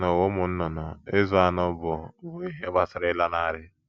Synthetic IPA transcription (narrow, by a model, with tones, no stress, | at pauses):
nɔ˨wo˦mʊ˨n̩˦nɔ˨na˨e˦zʊ˦a˨nɔ˦bɔ˨˦bo˦i˦ɦe˦ba˦sɪ˨˦ɾɪ˦la˦na˦˨ɾɪ˦